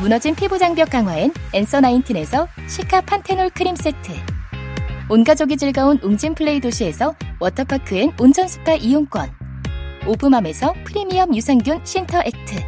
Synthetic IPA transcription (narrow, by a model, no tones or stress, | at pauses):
munʌd͡ʑinpʰebud͡ʑaŋbjʌk͈aŋɦwaene̞ns͈ʰʌnaintʰɯne̞sʰʌ | ɕʰikʰapʰantʰenoɭkʰɯɾims͈etʰɯ | onɡad͡ʑoɡid͡ʑɯɭɡaonuŋd͡ʑimpʰɯɭːe̞idoɕʰie̞sʰʌwʌtʰʌpʰakʰɯenont͡ɕʰʌnsʰu̥t͈aʔijoŋk͈wʌ̰n | obɯmame̞sʰʌpʰɯɾimiʌmjusʰaŋɡjunɕʰintʰʌʔe̞k̚tʰɯ